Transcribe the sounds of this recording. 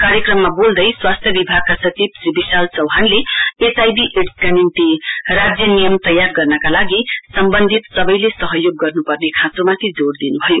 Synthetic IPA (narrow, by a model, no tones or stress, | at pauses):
kaɾjʌkrʌmːabold̪ʌjswast̪ʰjʌbibʱaɡ̚kasʌt͡sibsɾibisalt͡sʌwɦanleesajbiʔeʈskanimt̪irad͡zjʌnijʌmt̪ʌjarɡʌrnʌkalaɡisʌmbʌnd̪ʱit̪sʌbʌjlesʌɦʌjoɡːʌrnupʌrnekʰãsomat̪ʰid͡zoɽd̪inubʱʌjo